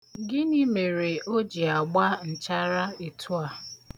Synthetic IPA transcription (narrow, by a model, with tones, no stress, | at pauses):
ɡɪ˦ni˦me˨ɾe˨o˦d͡ʒi˨a˨ɡ͡ba˦n̩˨t͡ʃa˦ɾa˦i˨tʰu˦a˨